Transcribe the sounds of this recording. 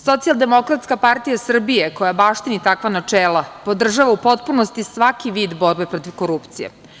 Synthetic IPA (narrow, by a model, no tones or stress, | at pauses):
so̞t̪sialˠd̪e̞mo̞kɾat̪skapaɾt̪ijasr̩bije̞ko̞jabaːʂt̪init̪akʋanat͡ʂeːlˠapo̞d̪r̩ʒaʋaupo̞t̪punost̪isʋakiʋiːd̪bo̞ɾbe̞pɾo̞t̪iʋko̞ɾupt̪sijḛ